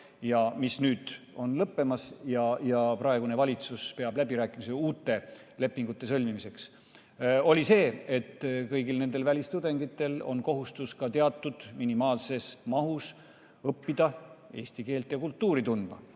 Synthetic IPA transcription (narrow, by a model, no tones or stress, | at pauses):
jɑmisnyːd̪̥o̞nlɤpːe̞mɑsjɑjɑprɑeɡune̞vɑlʲit̪suspe̞ɑb̥læbiɾæːkˑimiseuːt̪ːe̞ | le̞pːiŋɡ̥ut̪ːˑe̞sɤlʲmimise̞ks | o̞lʲise̞ːe̞t̪ːkɤjɡilne̞nd̪e̞lvælʲist̪ud̪e̞ŋɡ̥it̪ːˑe̞lo̞̰nko̞ɦust̪uskɑt̪e̞ɑt̪ːˑud̪̥minimɑːlse̞smɑɦus | ɤpːid̪̥ɑe̞ːst̪ike̞ːlt̪jɑkult̪ːuːɾit̪und̪mɑ